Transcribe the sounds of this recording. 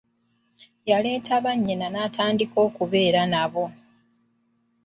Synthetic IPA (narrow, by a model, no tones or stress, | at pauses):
jale̞ːtʰaβaɲːenanataːndiko̞ːkuβe̞ːɾanaβo̞